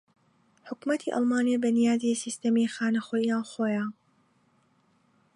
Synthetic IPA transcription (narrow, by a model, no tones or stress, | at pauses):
ħʊkmɐt̪ʰḭʔɑ̰lmaːnijabɐnijaːd̪isist̪ɐmixaːnɐxojiaːnxoːjaː